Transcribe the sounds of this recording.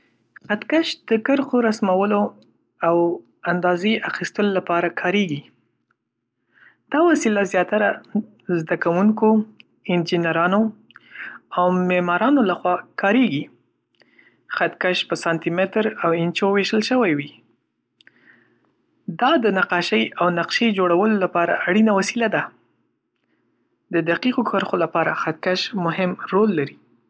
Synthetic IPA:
xat̪kaʃd̪̥əkəɾxoɾasmawəlo | aw | and̪ɑzeʔaxist̪əlolapɑɾakʰɑɾeɡi | d̪̥ɑwasilazjɑt̪aɾa | zd̪akawuŋko | ɪnd͡ʒinaɾɑno | awmemɑɾɑnolaxwɑkɑɾeɡi | xat̪̚kaʃpəsɑnt̪imɪt̪ɾawɪnt͡ʃoweʃəlʃəwajwi | d̪ɑd̪ənaqɑʃəjawnaqʃejd͡ʒoɽawəlolapɑɾa̰ʔaɽinawasilad̪a | d̪əd̪aqiqokʰəɾxolapɑɾaxat̪̚kaʃmʊɦɪmɾolːaɾi

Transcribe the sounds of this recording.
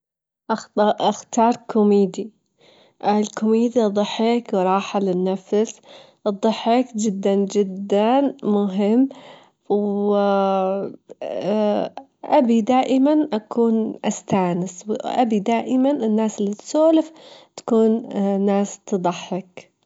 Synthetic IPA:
ʔaaxt̪ɑːɾˤkʰʊmiːd̪i | ʔlkʊmiːd̪id̪ˤɑħːɪkwɾˤɑːħalɪnːafs | ʔɨd̪ˤːɨħːɪkd͡ʒɪd̪ːand͡ʒɪd̪ːanmʊɦɪmː | w | ʔabid̪aːʔɪmanʔakʰuːnʔast̪aːnɪswʔa̰bid̪aːʔɪmanɪnːaːsɪlːit̪soːlɪft̪ḁkuːnnːaːst̪ɨd̪ˤɑħːɪk

